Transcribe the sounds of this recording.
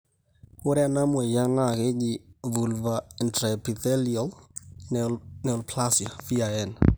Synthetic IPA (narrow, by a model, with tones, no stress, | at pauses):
ʊ˦ɾɛ˦a˦na˦mwɛ˨ja˦na˦˨ke˦d͡ʒivu˨lvaɛntɾɛpi˨θɛliɔlnnɛ˨ɔlpʰlasjafi˦aɛn